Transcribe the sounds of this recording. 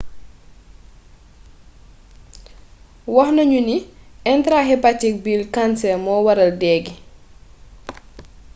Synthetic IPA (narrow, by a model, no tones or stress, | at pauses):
wɔxnɐɲuniʔɛntɾahɛpatik̚bilkansɛmɔːwɐɾɐldɛːɡi